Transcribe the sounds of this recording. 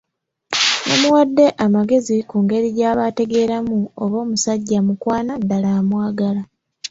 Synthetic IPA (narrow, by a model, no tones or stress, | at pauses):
no̞̰muwadːe̞ʔamaɡe̞zikuːŋɡe̞ɾiɟaːβaːte̞ɡe̞ːɾamuoβo̞ːmusaɟːamukwaːnadalaːmwaːɡala